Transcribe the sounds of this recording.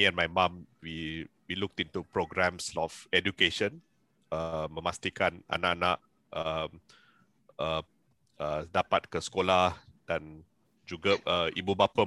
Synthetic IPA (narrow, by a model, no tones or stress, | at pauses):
iɛ̃nmajmãmwiwiluk̚tĩntupɾoɡɾɛ̃msɔfɛdukeʃə̃n | əmə̃mast̪ikana̰naʔanaʔ | ʔəm | ə | ədapat̚kəsə̥kolahd̥ãn | d͡ʒuɡaʔəʔibubapə